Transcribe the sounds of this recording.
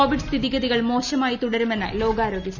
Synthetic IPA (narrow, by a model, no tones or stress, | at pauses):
oːʋiɖɨst̪ʰiðiɣɐðiɣɐɭmo̞ːɕɐmaːjit̪uɽɐɾumenːɐ̰lo̞ːɡaːɾo̞ːɡjɐs